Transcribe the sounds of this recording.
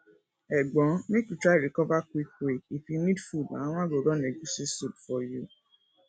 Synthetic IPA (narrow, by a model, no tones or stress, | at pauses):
ɛɡ͡bɔ̃nekutɾaɾikɔvakuikeifimĩdfudã̰w̃ãɡoɾɔnɛ̃ɡũsesubfɔju